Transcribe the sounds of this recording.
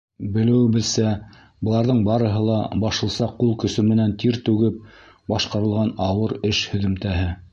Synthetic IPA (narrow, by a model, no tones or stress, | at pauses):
bɘ̆lɘ̆wɘbɘ̆lsæ | bɤ̆lˠɑɾðɤɴbɑɾɤ̆ɦɤlˠɑ̰bɑʃɤ̆lˠsɑqːulˠkɵ̆sɵmɘ̆nænt̪iɾt̪ʉɡɘp̚ | bɑʃqɑɾɤ̆lˠʁɑnɑwɤɾɘʃhɵ̆ðɘ̆mt̪æɦɘ